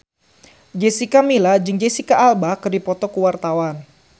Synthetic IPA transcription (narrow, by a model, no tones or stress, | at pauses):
d͡ʒɛsikamilad͡ʒɨŋd͡ʒesikaːlbahkɨrdipɔt̪ɔkuwart̪awan